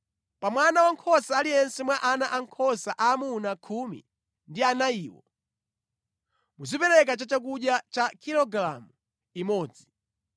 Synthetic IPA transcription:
pamwanawaŋkʰɔsaːlijɛnsɛmwaʔanaʔaŋkʰɔsaʔaːmunakʰumḭ | ndianaiːwɔ̰ | muzipɛɾɛk̬at͡ʃat͡ʃak̬uɗjat͡ʃakʰiɾɔɡla̰mu | imɔːd͡zi

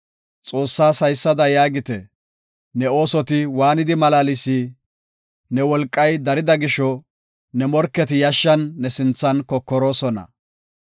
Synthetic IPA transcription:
t͡sʼo̞ːsːaːsɐjsːɐd̪ɐjaːɡɪt̪ɛ | nɛo̞ːsɔt̪ɪwaːnɪd̪ɪmɐlaːlɪsiː | nɛwɔlkʼːɐjd̪ɐɾɪd̪ɐɡɪʃːɔ | nɛmɔɾkːɛt̪ɪjɐʃːɐnːɛsɪnt͡sːɐnkɔkːɔɾo̞ːsɔnɐ̰

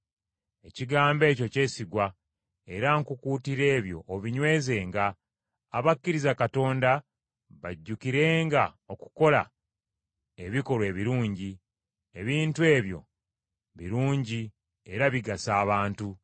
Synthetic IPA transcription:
e̞ciɡaːmbe̞ːco̞ce̞ːsiɡwa | e̞ɾaŋkukuːtiɾe̞ːβjo̞̰ʔːβiɲwe̞ːze̞ːŋɡaː | βakːiɾizakato̞ːnda | βaɟːukiɾe̞ːŋɡa | o̞ku̥ko̞la̰ | e̞βiko̞ɾwe̞ːβiɾuːɲɟi | e̞βiːntue̞ːβjo̞̰ | βḭɾuːɲɟi | e̞ɾaβiɡasaːβaːntu

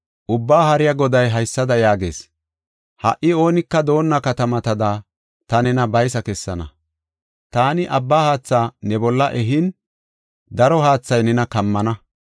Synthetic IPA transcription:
ʔʊbːaːhɐɾɪjɐɡɔd̪ɐjɦɐjsːɐd̪ɐjaːɡe̞̰ːs | hɐ̰ʔːɪo̞ːnɪkːɐd̪o̞ːnːɐkɐt̪ɐmɐt̪ɐd̪aː | t̪ɐnɛnɐbɐjs̬ɐkɛsːɐnɐ | t̪aːnɪʔɐbːaːhaːt͡sːaːnɛbɔlːɐʔɛɦɪn | d̪ɐɾɔɦaːt͡sːɐjnɛnɐkɐmːɐnɐ

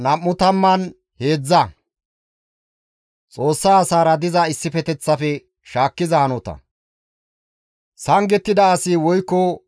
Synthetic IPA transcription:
nɐmːʊt̪ɐmːɐn | he̞ːd͡zːɐ | t͡sʼo̞ːsːaːsaːɾɐd̪ɪzɐɪsːɪfɛt̪ɛt͡sːɐfɛ | ʃaːkːɪzɐhɐnɔt̪ɐ̰ | sɐŋɡɛt̪ːɪd̪ɐːsiwɔjkːɔ

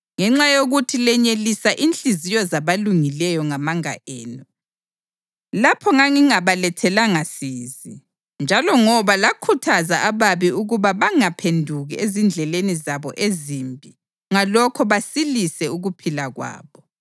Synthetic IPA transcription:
ŋɛŋ͡ǁajoɣutʰilɛɲelisaʔint͡ɬʼizijɔzaβaluŋilɛjɔŋamaŋa̰ʔɛːnɔ | lapʰɔŋaŋiŋaβalɛtʰɛlaŋasiːzi | nd͡ʒʱalɔŋɔβalakʰutʰazaʔaβaβiuɣuβaβaŋapʰendʱuɣiezind͡ɮʱɛlenizaβɔ̰ʔeziːmbʱi | ŋalɔkʰɔβasilisɛuɣupʰilaɣwa̰ːβɔ

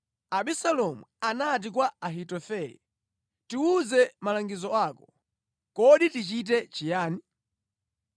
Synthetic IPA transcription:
aɓisalɔmṵanat̬ik̬waaɦitɔfɛjɛ̰ | tiuzɛmalaŋɡizɔaːkɔ | kɔɗitit͡ʃit̬ɛt͡ʃijaːni

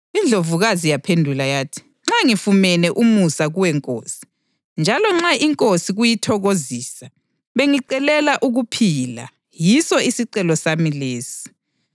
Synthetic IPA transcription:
ind͡ɮʱovuɣazijapʰendʱulajaːtʰi̥ | ŋ͡ǁaŋifumɛnɛʔumusaɣuwɛŋkʼo̰ːsi̥ | nd͡ʒʱalɔŋ͡ǁaʔiŋkʼosiɣujitʰɔɣoziːsa | βeŋiǀɛlɛlaʔuɣupʰila̰ | jisɔisiǀɛlɔsamileːsi̥

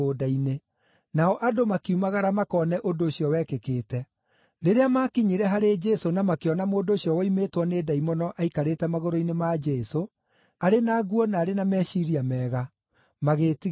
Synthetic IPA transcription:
odaine | naɔʔadomakiumaɣaɾamakɔnɛʔondoːɕiɔwɛkekeːtɛ | ɾeɾeamakiɲiɾɛɦaɾed͡ʒɛsonamakeɔnamoːndoːɕjɔwɛimetwɔneːdaimɔnɔʔaikaɾeːtɛmaɣoɾoinemad͡ʒɛso | aɾenaːɣwɔnaːɾenamɛʃiɾiamɛːɣa | maɣeːti

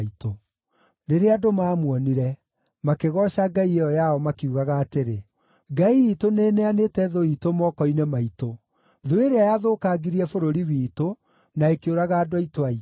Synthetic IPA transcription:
ito | neɾeadomaːmwɔniɾɛ | makeɣɔʃaɡaieɔjaɔmakiuɣaɣaːteɾe | ɡaiːtonenɛanetɛðoitomɔkɔinemaito | ðoeɾeajaðokaɡiɾiɛfoɾoɾiwiːto | naekeoɾaɣaːdoaitoai

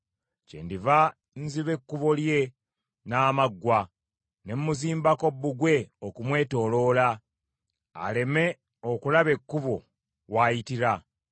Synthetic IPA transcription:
cḛːndiva | nziβe̞kːuβo̞lje̞ | naːmaɡːwa | ne̞mːuziːmbako̞bːuɡwe̞okumwe̞ːto̞lo̞ːla | a̰le̞me̞ | o̞kulaβe̞kːuβo̞ | wajitiɾa

